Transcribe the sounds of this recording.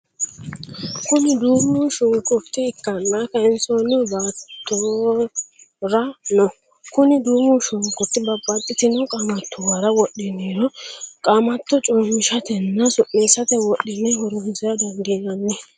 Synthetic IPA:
kʊnɪd̪uːmuʃʊŋkʼʊɾt̪ːɪːkːɐnːakɐɛnsonɛbaːt̪ːo | ɾɐnɔ | kʊnɪd̪uːmʊʃʊŋkʼʊt̪ːɪbɐbːɐt̪ʼːɪt̪ɪnɔkʼaːmɐt̪ːɔwaɾɐwɔɗɪneɾɔkʼaːmɐt̪ːɔt͡ʃʼɔmːɪʃɐt̪ɛnːɐsʊʔːeːsɐt̪ɛwɔɗɪnɛhɔɾʊnsɛɾɐd̪ɔnd̪ɪnɐnːɛ

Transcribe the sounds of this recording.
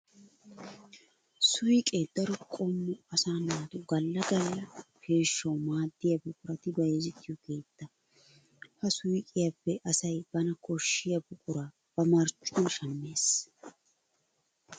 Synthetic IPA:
sʊɪkʼed̪ɐɾʊkʼɔmːɔɐsaːnaːt̪ʊɡɐlːɐɡɐlːɐkʰe̞ːʃːɐwmaːd̪ːɪjɐbʊkʼʊɾɐt̪ɪbɐjɛzɪt̪ːɪjɔke̞ːt̪ːɐ | hɐsʊɪkʼɪjɐpːɛʔɐsɐjb̥ɐnɐkɔʃːɪjɐbʊkʼʊɾɐ | b̥ɐmɐɾt͡ʃːʼʊnʃɐmːe̞ːs

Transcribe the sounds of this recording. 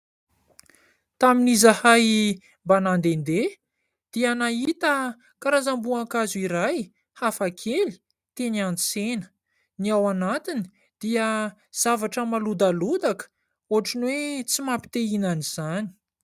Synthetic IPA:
t̪aminizahaj | mbanand̪end̪e | d̪̥ianait̪ə | kaɾazambuaŋkazuiɾaj | hafakʰeli̥ | t̪enianit͡senə̥ | niawanat̪ini | d̪̥iə | z̥avaʈ͡ʂəmalud̪alud̪akə̥ | uɦaʈ͡ʂinwet͡simapi̥t̪einaniz̥ani̥

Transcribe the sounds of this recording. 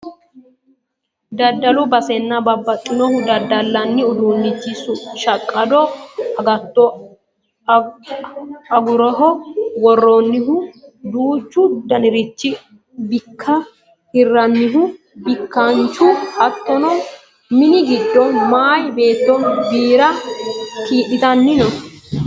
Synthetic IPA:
d̪ɐd̪ːɐlʊbɐsɛnːɐbɐbːɐt̪ʼːɪnɔhʊd̪ɐd̪ːɐlːɐnːɪʊd̪uːnːɪt͡ʃːɪsʊʃɐkʼːɐd̪ɔɐɡɐt̪ːɔ | ɐɡʊɾɔɦɔwɔrːonːɪɦʊd̪uːt͡ʃːʊd̪ɐnɪɾɪt͡ʃːɪ | bɪkʰːɐ | ɪrːɐnːɪɦʊ | bɪkːɐnt͡ʃʊɐt̪ʼːɔnɔ | mɪnɪɡɪd̪ːɔmaːjbe̞ːt̪ːɔbiːɾɐ | kiːʔɪt̪ɐnːɪnɔ

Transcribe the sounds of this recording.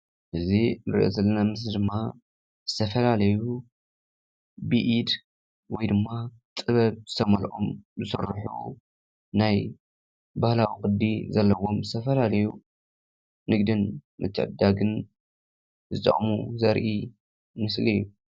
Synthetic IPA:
ʔɨzinɨɾiʔo̰zɐlːɐnamɨsld̪ɨmːa | z̥ɨt̪ʰɐfɐlalɐju | bɨʔid̪ | wɔjd̪ɨmːa | t̪ʼɨβɐβzɨt̪ʰɐmɐlʔʼo̰mzɨsɨ̰rħṵ | naj | bahlawikʼɨd̪ːizɐlːɐwo̞mzɨt̪ʰɐfɐlalɐju | nɨɡd̪ɨnmɨt͡ʃʰʼːd̪aɡɨn | zɨt̪ʼɐ̰χʼmuzɐɾʔi | mɨslijːu

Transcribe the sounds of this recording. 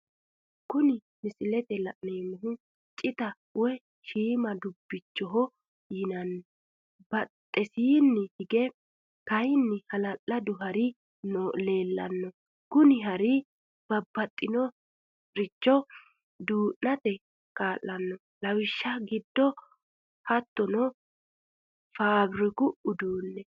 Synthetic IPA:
kʊnɪ | mɪsɪlɛt̪ɛlɐʔneːmʊɦʊ | t͡ʃʼɪt̪ɐ | wɛ | ʃiːmɐd̪ʊbːɪt͡ʃːɔɦɔ | jɪnɐnːɔ | bɐt̪ʼːɛsiːnːɛhɪɡɛ | kɐjnːɪhɐlɐʔːɐd̪ʊɦɐɾɪ | nɔle̞ːlːɐ̰nːɔ | kʊnɪɦɐɾɪ | b̥ɐbːɐt̪ʼːɪnɔ | ɾɪt͡ʃːɔ | d̪uːʔnɐt̪ɛ | kaːʔːɐnːɔ | lɐwɪʃːɐɡɪd̪ːɔ | hɐt̪ːɔnɔ | faːbɾɪkʊʔʊd̪uːnːɛ

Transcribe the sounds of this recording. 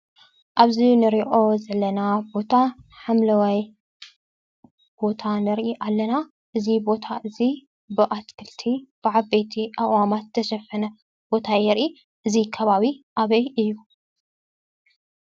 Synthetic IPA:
ʔaβzinɨɾiʔo̞zɐlɐnabo̞t̪ʰaħamlɐwaj | b̥o̞t̪ʰanɨɾʔiʔalːɐna | ʔɨzibo̞t̪ʰaʔɨzi | bɨʔat̪kʰɨlt̪ʰib̥ɨʕaβbe̞t̪ʰiʔaʔwamat̪t̪ʰɐʃɐfɐnɐ | b̥o̞t̪ʰajɛɾʔi | ʔɨzikʰɐβaβiʔaβɐjʔɨjːu

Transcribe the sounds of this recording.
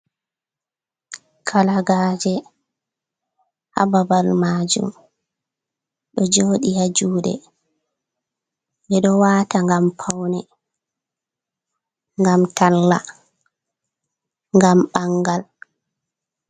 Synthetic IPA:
kʰalaɡaːd͡ʒɛ | ha̰babalmaːd͡ʒṵm | ɗɔd͡ʒoːɗihad͡ʒuːɗɛ̰ | nɛɗɔwaːtaŋɡampʰawnɛ | ŋɡamtalːa | ŋɡamɓaŋɡal

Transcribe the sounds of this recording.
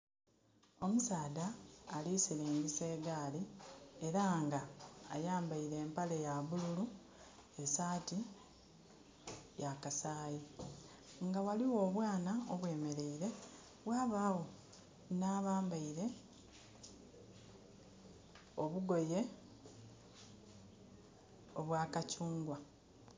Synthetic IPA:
o̞musaːdaːlisiliːŋɡise̞ːɡaːlie̞ɾaŋɡaːjaːmbaiɾe̞ːmpale̞jaβululu | esaːti | jakasaːji | ŋɡawaliwo̞ːβwaːnaoβwe̞ːme̞ɾe̞iɾe̞ | βwaːβaːwo̞ | naːβaːmbaiɾe̞ | o̞βuɡo̞je̞ | oβwaːkacuːŋɡwa

